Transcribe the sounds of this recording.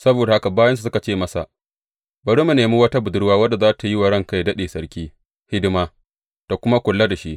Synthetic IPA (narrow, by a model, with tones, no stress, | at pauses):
sɐ˦boː˨da˨ha˦ka˨baː˦jɐ˦nsu˨sʊ˦ka˨t͡ʃeː˦˨mɐ˦sa̰˨ʔ | bɐ˨ɽuː˦mu˨neː˨mu˦wɐ˦ta˦bʊ˨dʊ˦ɽwaː˦wɐ˦da˨zaː˦tʰa˨ji˦wa˨ɽɐ˦ŋka˦jdɐ˦ɗeː˨sɐ˦ɽkʲiː˦ | hɪ˦dɪ˦maː˦ | d̥a˨kʷʊ˦ma˦kʷʊ˨lːa˦da˨ʃi˦ʔ